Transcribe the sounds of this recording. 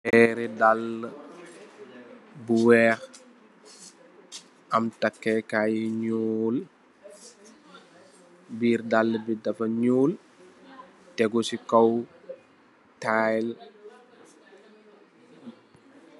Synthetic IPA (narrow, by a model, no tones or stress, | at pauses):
ɛɾidalː | buwɛːx | ɐmtakːɛkajiɲul | biːɾdalːbidɐfɐɲuːl | tɛɡɔsikaw | tajl